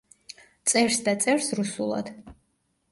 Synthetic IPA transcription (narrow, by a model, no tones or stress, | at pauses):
t̪sʼɛɾsd̪at̪sʼɛɾsɾusulˠa̰d̪̥